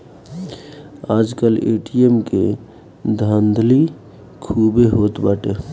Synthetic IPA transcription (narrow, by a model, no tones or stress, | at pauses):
ad͡ʒkəlḛʈiemke | d̪ʱənd̪ʱli | kʰubeɦot̪baʈe